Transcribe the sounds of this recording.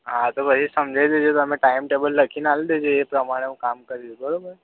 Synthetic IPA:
ɦãt̪oʋəɾisəmd͡ʑʱajd̪ed͡ʑet̪ameʈaimʈebəlːəkʰiːnald̪ed͡ʑeepɾəmaɽ̃eukamkəɾiːlbəɽobəɾ

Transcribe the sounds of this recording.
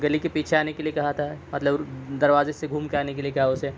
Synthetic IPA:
ɡɐlikepiːt͡ʃʰeaːnekeliekɐɦat̪ʰaɦɛmɐt̪ləbd̪ɐɾʋaːzeseɡʱuːmkeaːnek̬eliekɐɦaʊse

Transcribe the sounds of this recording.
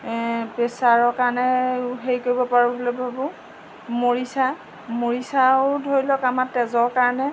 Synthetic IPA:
pesaɹɔkaɹnɛɦeɹikoɹibɔpaɹɔbʱolɛbʱabʊ | moɹisa | moɹisaʊdʱojlɔkamatɛzɔɹkaɹɔnɛ

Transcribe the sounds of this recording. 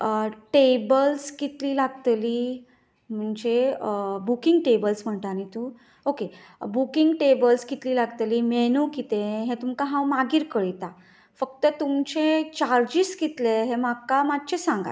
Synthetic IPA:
əʈebəlskit̪liːlaɡt̪liː | m̤əɳd͡ʑeəbukiŋɡ̚ʈebəlsm̤əɳt̪anit̪ũː | oke | bukiŋɡʈebəlskit̪liːlaɡt̪liːmenukit̪eɦẽt̪umkaɦãwmaɡiːɾkəɭit̪a | fək̚t̪ət̪umt͡ɕet͡ɕaɾd͡ʑiskit̪leɦẽmakːamad̪t͡ɕesãŋɡa̰

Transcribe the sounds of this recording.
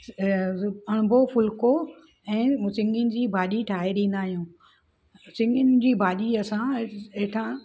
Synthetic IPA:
ɐɽ̃bʱofʊlko | ɛ̃ːsɪ̃ŋɡɪnɪ̆d͡ʑiːbʱaːʄiʈʰaːɦeɗĩːnd̪aːɦijũː | sɪ̃ŋɡɪnd͡ʑiːbʱaːɗiɐsãeʈʰã

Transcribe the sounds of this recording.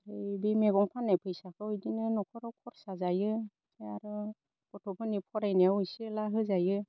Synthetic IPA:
aɾɯbimeɡɔŋpʰanːajpʰɯjsakʰɯɯjdinɯnɔkʰɔɾawkʰɔɾsazajɯ | aɾɯ | kɔtʰɔpʰɯnipʰɔɾajnaawɯjsilaɦɯzajɯ

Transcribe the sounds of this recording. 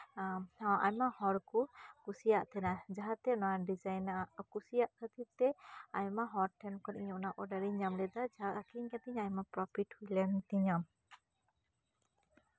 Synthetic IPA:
ɔʔaɲmahɔɾkukusijaʔt̪ʰɛnad͡ʒaɦat̪ɛnɔaɖid͡ʒajnaʔaʔkusijaʔt̪ʰat̪ʰit̪ːɛajmaɦɔɾʈʰɛmkɔɾʔiɲɔʔnaʔɔɖaɾiɲamlɛd̪ad͡ʒaaʔakiɲkat̪iɲajmapɾɔpʰiʈhulɛnt̪iɲam

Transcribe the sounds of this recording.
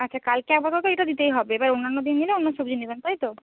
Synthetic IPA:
ətːʃʰakalkeabʱɔt̪ɔt̪oeʈad̪it̪ejɦɔbeːbaɾonːanːod̪inːileonːosobd͡ʒinibent̪ajt̪o

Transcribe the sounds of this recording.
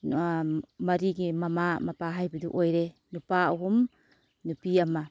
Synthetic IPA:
mɐɾiɡimɐmamɐpaɦajbɐdṵʔojɾe | nupauɦum | nupiɐmɐ

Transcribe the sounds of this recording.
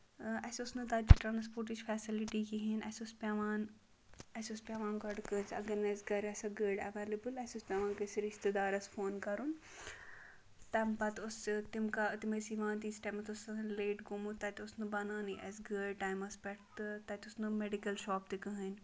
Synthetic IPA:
ɛsʊsnɨt̪ɐt͡ʃiʈɾaːnspoːɾʈid͡ʒfʰɛːsɪliʈikiɦinɛːsʊspʲaʋaːn | ɛsʊspʲaːʋãːnɡɐɖkənsɐɡɐɾnajzɡɐɾɛːsɐɡəːɖɐ̰ʋeːlɐbɨlɛːsʲʊspʲaʋaːnkɐsiɾiʃt̪id̪aːɾɐsfʰoːnkɐɾun | t̪ɐmpɐt̪ʊst̪imkat̪imɐsiʋãːnt̪̬iːsʈɐmɐt̪ʊsleːʈɡomut̪ɐt̪ʊsnɨbɐnaːniʔɛ̰sɡəːɖʈaːjmɐspɛʈʰt̪t̪ɐt̪ʊsnɨmeɖikɐlʃɔːpt̪ikəɦən

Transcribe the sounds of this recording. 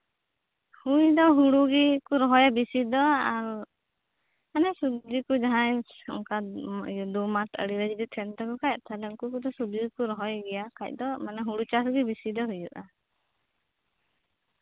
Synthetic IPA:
hujd̪ɔɦuɽuɡikuɾɔɦɔjabisid̪ɔaɾ | manɛsubd͡ʒikud͡ʒaɦãj | ɔŋkad̪umat̪ʰə̰ɽiɾəd͡ʒid̪ɔt̪ʰɛnt̪ɔkɔkact̪ʰalɛŋkukud̪ɔsubd͡ʒikuɾɔɦɔjɡɛjakac̚ˀd̪ɔmanɛɦuɽut͡ʃasɡibisid̪ɔɦujuʔa

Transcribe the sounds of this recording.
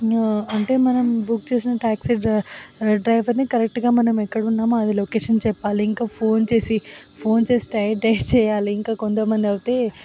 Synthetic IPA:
ɐɳʈe̞ːmɐnɐmbuk̚t͡ʃe̞ːs̬inɐʈaːksiɖ | ɖɾɐjʋɐɾnikɐɾek̚ʈɡaːmɐnɐmɛkːɐɽunːaːmuɐd̪iloːkeːʂɐnt͡ʃɛpːaːliiŋkaːpʰoːnt͡ʃe̞ːsipʰo̞ːnt͡ʃe̞ːsi̥ʈɐjɖɐjt͡ʃɛːjaːliːŋkaːkont̪ɐmɐnd̪iɐʋit̪e̞ː

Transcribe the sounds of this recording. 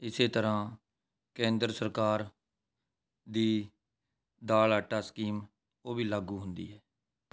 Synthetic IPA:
ɪseːt̪əɾãː | kẽːnd̪ɾəsəɾkaːɾ | d̪iː | d̪aːlaːʈːaːskiːm | oːbiːlaːɡuːɦʊnd̪ḭːɦɛː

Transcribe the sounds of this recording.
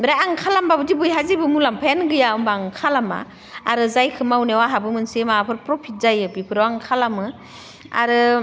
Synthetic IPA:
ɾaaŋkʰalambabɯdibujɦazibɯmulampʰajanɡɯjaɔmbaŋkʰalama̰ | aɾɯzajkʰɯmawnewaɦabɯmɯnsemapʰɯɾpɾɔpʰit̚zajɯbipʰɯɾawaŋkʰalamɯ | a̰ɾɯ

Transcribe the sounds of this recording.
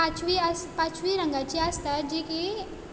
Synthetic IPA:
at͡ʃʋiapat͡ʃʰʋiɾə̃ŋɡat͡ɕiast̪ad͡ʑeke

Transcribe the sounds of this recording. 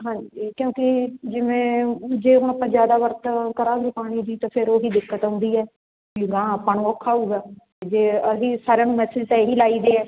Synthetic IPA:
ɦãːɲd͡ʒikjõːkɪd͡ʒɪʋẽːd͡ʒeːɦʊnəpːãːd͡ʒjaːd̪aːʋəɾt̪kəɾãːɡeːpaːɽ̃iːd͡ʒiːt̪ãːpʰɪɾoːɦiːd̪ɪkːət̪ɦʊ̃nd̪iːɛː | ʊɡãːəpːəɳɔːkʰaːuːɡaː | d͡ʒeːɦiːsaːɾjaːnũːmɛːsɪd͡ʒtɛːɦiːlaːiːd̪eːɛː

